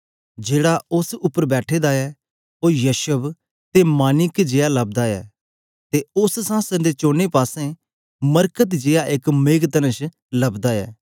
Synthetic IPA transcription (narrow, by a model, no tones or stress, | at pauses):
d͡ʒeːɽaʊsʊpːəɾbɛːʈʰeːd̪aɛ | oːjɐʃəb | t̪emaːnɪkd͡ʒeːalɐb̚d̪aɛ̰ː | t̪eʊssãːsənd̪et͡ʃõːnepaːsẽ | mɐɾkət̪d͡ʒeːaʔeːkmeːɡt̪ɐnə̃ʃ | lɐbd̪aɛ̰ː